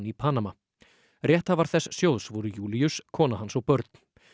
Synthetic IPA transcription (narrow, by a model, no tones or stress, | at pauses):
nipʰaːnama | rjɛht̪havaɾ̥θɛsːjowðsvuɾʏjuːliʏskʰɔːnaɦansɔɣpœɾt̪̚n̥